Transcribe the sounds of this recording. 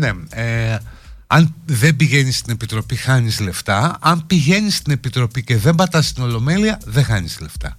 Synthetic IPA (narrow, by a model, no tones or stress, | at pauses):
ne̞e | ɐnðe̞mbiʝe̞nist̪ine̞pit̪ɾo̞pixɐɲizle̞ft̪ɐɐmpiʝe̞nist̪ine̞pit̪ɾo̞pice̞ðe̞mbɐt̪ɐst̪ino̞lo̞me̞liɐðe̞xɐnizle̞ft̪ɐ̰